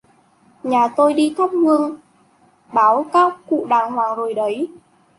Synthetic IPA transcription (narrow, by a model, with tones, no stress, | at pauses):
ɲaː˨˩t̪o˧jɗi˧t̪ʰa˦˥p̚hɨ˧əŋ | ɓaː˨˦wkaː˦˥kːṵ˧˨ɗaː˨˩ŋhwaː˨˩ŋzo˨˩jɗə˨˦j